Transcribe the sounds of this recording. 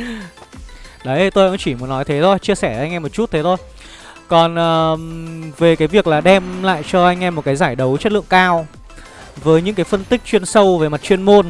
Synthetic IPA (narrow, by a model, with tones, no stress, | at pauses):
ɗə˨˦jʔə˧jt̪o˧jha̰˧˥ŋt͡ɕi˧˩mu˨˦nːɔ˨˦jt̪ʰe˨˦t̪ʰo˧jt͡ɕi˧əsɛː˧˩ʔa˧jŋ̟ʔɛ˧mo˨˩t̚t͡ɕu˦˥t̚t̪ʰe˨˦t̪ʰo˧j | kɔ˨˩nʔəː˨˩ | ve˨˩kaː˨˦jvi˨˩ək̚laː˨˩ɗɛ˧mla̰ː˧˨jt͡ɕɔ˧ʔa˧jŋ̟ʔɛ˧mo˨˩kaː˨˦jzaː˧˩jɗə˨˦wt͡ɕə˦˥t̚lɨ̰˧˨əŋkaː˧w | vəː˨˦jɲɨ̰˧˥ŋkaː˨˦jfə˧nt̪ï˦˥k̚t͡ɕwi˧ənsə˧wve˨˩ma˨˩t̚t͡ɕwi˧ənmo˧n